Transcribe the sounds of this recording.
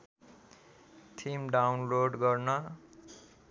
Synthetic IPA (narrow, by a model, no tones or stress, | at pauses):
t̪ʰimɖawnloɖɡʌrnʌ